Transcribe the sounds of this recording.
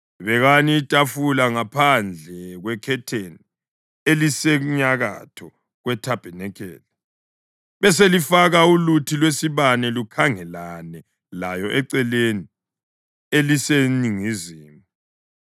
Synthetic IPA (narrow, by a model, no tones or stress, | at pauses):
βɛɣanitʼafulaŋapʰand͡ɮʱɛɣwɛkʰɛtʰeni | elisɛɲaɣa̰tʰɔ | ɣwɛtʰab̥ʱɛnɛkʰɛ̰ːlɛ | βɛs̬elifaɣaulutʰilwesiβanɛlukʰaŋɛlanɛ | lajɔʔɛǀɛleni | eliseniŋiziːmu